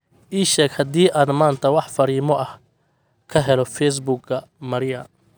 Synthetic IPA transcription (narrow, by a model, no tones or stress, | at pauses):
ʔiːʃɛːɡhɐd̪iːʔaːd̪maːnt̪ʰɐwɑħfɐɾiːmɔʔɐh | kʰɐɦɛlɔfɛs̬buɡɡɐmɐɾɪjɐ